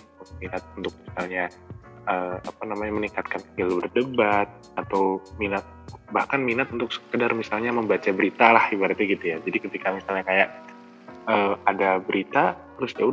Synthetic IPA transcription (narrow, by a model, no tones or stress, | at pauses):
uminat̪̚unt̪ʊk̚misalɲa | əːapanamaɲaməniŋkat̪̚kaniilubərdəbat̪̚ | at̪awminat̪̚bahkanminat̪̚unt̪ʊk̚sə̥kədarmisalɲaməmbat͡ʃabəɾit̪alahibəart̪iɡit̪ujad͡ʒadikət̪ikamisalɲakajaʔ̚ | əːadabəɾit̪at̪əɾʊsd͡ʒau